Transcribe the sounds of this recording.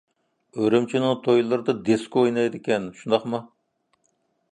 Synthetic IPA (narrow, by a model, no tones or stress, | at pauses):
øɾymt͡ʃʰinɪŋt̪ʰojlˠɨɾd̪ɑd̪eskʲojnɑjd̪ɪkʲɛnʃund̪ɑχmɑ